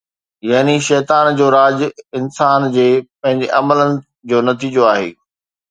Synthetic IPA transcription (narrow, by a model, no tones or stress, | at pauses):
jaːniʃɛːt̪aːnd͡ʑoːɾaːd͡ʑɪnsaːnd͡ʑeːpɐ̃ɦɪ̃ɲd͡ʑeʔɐmələnɪ̆ | d͡ʑoːnɐt̪iːd͡ʑoaːɦḛː